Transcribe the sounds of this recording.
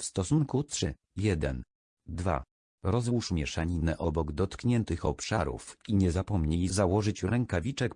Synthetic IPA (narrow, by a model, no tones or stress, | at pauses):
fst̪ɔsuŋkut̪ʂɘ | jɛd̪ɛn | d̪va̰ | ɾɔzwuʂmʲjɛʂaɲinɛʔɔbɔɡd̪ɔt̪kɲɛnt̪ɘxɔpʂaɾṵfiɲɛzapɔmɲejzawɔʐɘt͡ɕɾɛŋkavʲit͡ʂɛk